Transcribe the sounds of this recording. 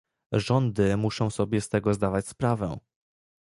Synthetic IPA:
ʐɔnd̪ɘmuʂɔ̃w̃sɔbʲjɛst̪ɛɡɔzd̪avat͡ɕspɾavɛ

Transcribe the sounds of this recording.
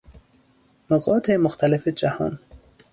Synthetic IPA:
moɣɒːt̪ʰemoxt̪ʰælefed͡ʒæhɒ̰ːn

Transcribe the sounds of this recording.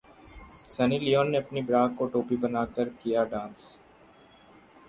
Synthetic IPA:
sɐnilijõːnːeɐpnibɾaːkoʈoːpibɐnaːkəɾkɪjaɖãːns

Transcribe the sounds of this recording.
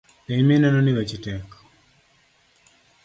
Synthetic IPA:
peɲminɛnoniwɛt͡ʃitɛk

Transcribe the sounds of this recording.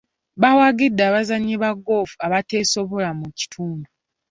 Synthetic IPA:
βawaːɡidːaːβazaɲːiβaɡːo̞ːfuaβateso̞βo̞lamuci̥tʰuːndu

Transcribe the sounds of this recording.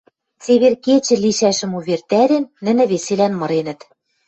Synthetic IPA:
t͡seβerket͡ɕɘ̆liʃæʃɘ̆muβert̪æɾenːɘ̆nɘ̆βeselænmɤ̆ɾenɘ̆t̪

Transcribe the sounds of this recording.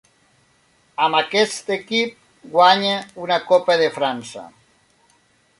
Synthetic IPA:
amakɛst̪ekip̚ | ɡwaɲeunakopaðefɾansa̰

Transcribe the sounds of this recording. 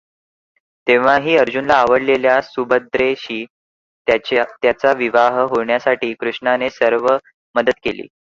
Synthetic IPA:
t̪eʋ̤aɦiːəɾd͡ʑunlaːʋəɽleljasubəd̪ɾeɕiː | at͡ɕt̪jat͡saʋiʋaɦɦoɳjasaʈiːkɾuʂɳanesəɾʋə | məd̪ət̪kḛlḭː

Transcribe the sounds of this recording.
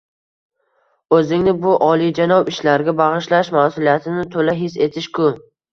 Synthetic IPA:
ɵzɪŋnɪbʊʔɒlijd͡ʒanɒbɪʃlaɾɡʲabaʁɨʃlaʃmasʊlijat̪ʰɪnɪt̪ʰolaɦɪs̬e̞t̪ʰɪʃkʰʊ

